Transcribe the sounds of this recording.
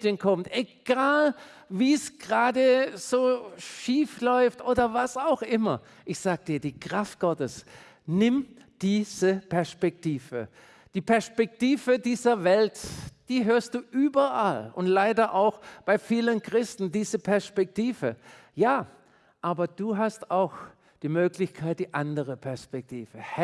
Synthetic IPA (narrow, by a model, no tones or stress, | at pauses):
dənkʰɔmtʔeɡ̥aːl | viːsɡ̥ʁaːdəz̥oːʃiːflɔʏftʔoːdɐvasaʊxʔɪmɐ | ʔɪçz̥aːɡ̥əd̥iːɐdiːkʁ̥aft̚ɡ̥ɔtəs | nɪm | d̥iːz̥əpʰɛɐspɛk̚tiːvə̰ | d̥iːpʰɛɐspɛk̚tiːvədiːzɐvɛltd̥iːɦøːɐst̚d̥uːʔyːbɐʔalʊ̰ntlaɪdɐʔaʊxb̥aɪfiːlənkʁ̥ɪstn̩diːzəpʰɛɐspɛk̚tiːvə | jaː | ʔaːbɐd̥uːɦastaʊx | d̥iːmøːklɪçkʰaɪt̚d̥iːʔandəʁəpʰɛɐspɛk̚tʰiːvə